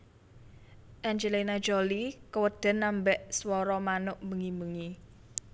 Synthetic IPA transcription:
ʔɛnd͡ʒelinḁd͡ʒolikəwəd̪̥ə̤nːambɛʔswɔɾɔmanʊʔmbəŋimbuŋi

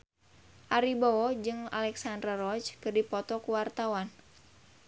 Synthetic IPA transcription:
ʔaɾiboɔd͡ʒɨŋa̰lɛksandɾaɾɔt͡ʃkɨrdipɔt̪ɔkuwart̪awan

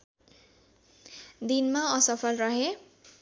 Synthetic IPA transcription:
d̪inmaʌsʌpʰʌlrʌɦe

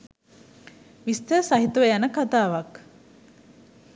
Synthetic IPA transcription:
ʋist̪əsaɦit̪uʋejanəkat̪aːʋɐk

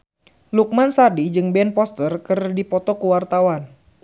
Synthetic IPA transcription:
luk̚mansadid͡ʒɨŋbɛnpɔst̪ərkɨrdipɔt̪ɔkuwart̪awan

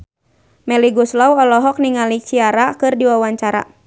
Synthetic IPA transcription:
mɛliɡuslawɔlɔɦɔk̚niŋalit͡ʃiaɾakɨrdiwawaɲt͡ʃaɾa̰

